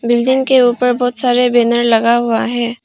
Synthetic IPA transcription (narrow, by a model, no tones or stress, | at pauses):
bɪld̪ɪŋkeuːpəɾbɔːt̪saːɾebeːnəɾlɐɡaɦʊaɦɛ̃ː